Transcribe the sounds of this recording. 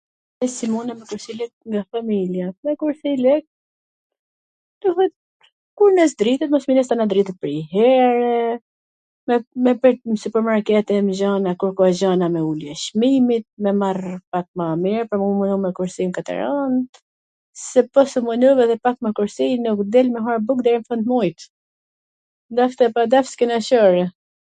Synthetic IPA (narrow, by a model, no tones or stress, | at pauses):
ɛsimunamɛkuɾsilɛk̚ŋɡafamiljamɛkuɾsilɛk̚ | d̪uɦɛt̪ | kuɾnɛs̬d̪ɾit̪ɛt̪mɔsminɛst̪anad̪ɾit̪ɛt̪̚pəɾiɦɛɾɛ | mɛmɛpɛnsypəɾmaɾkɛt̪ɛmʒanakuɾkɔaʒanamɛuljɛʃmimit̪̚mɛmaɾpak̚mamiɾpɔmumunumɛkuɾsinkat̪ɛ̰ɾant̪ | sɛpɔsumunuvɛðɛpak̚makuɾsinukd̪ɛlmɛɦɔɾbuk̚d̪ɛɾimfɔnt̪mɔjt̪ | d̪aft̪ɛpad̪afskɛnaʃɔɾɛ